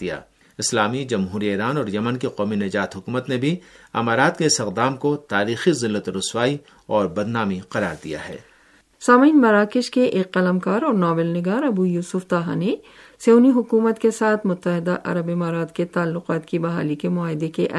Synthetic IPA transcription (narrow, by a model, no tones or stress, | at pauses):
d̪ija̰ː | ɪslaːmid͡ʒɐmɦuːɾieːɾaːnɔːɾjɐmənkiqɔːminɐd͡ʒaːt̪ɦʊkuːmət̪nebʱiɐ̰maːɾaːt̪keɪsɪqd̪aːmkot̪aːɾiːxizɪlːət̪ɾʊswaːi | ɔːɾbɐd̪naːmiqɐɾa̰ːɾd̪ija̰ɦɛ̰ː | saːmiːnmɐɾaːkɪʃkeʔeːkːɐləmkaːɾɔːɾnaːbɪlnɪɡaːɾɐbujuːsʊft̪aːɦa̰ne | seoːniɦʊkuːmət̪kesaːt̪ʰmʊt̪ːəɦɪd̪aʔɐ̰ɾəbɪmaːɾaːt̪ket̪aːlːʊqaːt̪kibɐɦaːlikemʊaːɦɪd̪ekeʔ